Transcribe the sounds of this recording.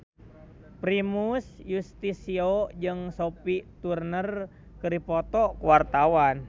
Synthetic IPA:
pɾimusjust̪isiod͡ʒɨŋsopit̪urnər | kɨɾipɔt̪ɔkuwart̪awan

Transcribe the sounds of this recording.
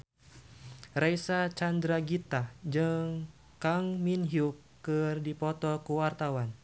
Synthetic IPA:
rajsat͡ʃandɾaɡit̪ad͡ʒɨŋ | kaŋminɦiukː | ɨrdipɔt̪ɔkuwart̪awan

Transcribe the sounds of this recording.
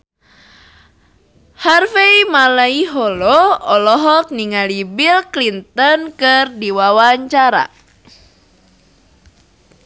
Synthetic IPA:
harfeimalaiɦɔlɔɔlɔɦɔk̚niŋalibilklint̪ɔnkɨrdiwawaɲt͡ʃaɾa̰

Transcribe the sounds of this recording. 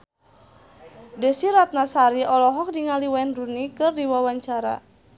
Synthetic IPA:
dɛsiɾat̪̚nasaɾiʔɔlɔɦɔk̚diŋaliwaɛnrunikɨrdiwawaɲt͡ʃaɾa̰

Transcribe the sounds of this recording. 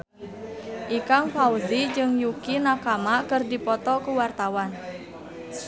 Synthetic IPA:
ʔikaŋfauzid͡ʒɨŋjukinakamakərdipɔt̪ɔkuwart̪awan

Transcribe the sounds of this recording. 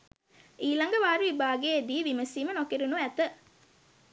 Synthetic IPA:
ʔiːlɐŋɡəʋaːɾuʋibaːɡeːd̪iːʋiməsiːmənokeɾunuæt̪ə

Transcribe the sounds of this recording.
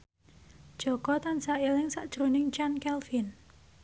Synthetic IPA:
d̥ʒ̥ɔkɔt̪ansaelɪŋsaʔd̥ʒ̥ɾunɪŋt͡ʃankɛlfin

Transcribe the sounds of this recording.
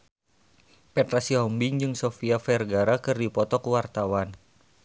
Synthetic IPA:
pɛt̪ɾasiɦɔmbiŋd͡ʒɨŋsofiafɛrɡaɾakɨrdipɔt̪ɔkuwart̪awan

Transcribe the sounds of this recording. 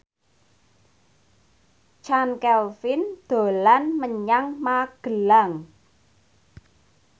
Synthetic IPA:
t͡ʃankɛlfɪnd̪̥o̤lanməɲaŋmaɡ̥ə̤laŋ

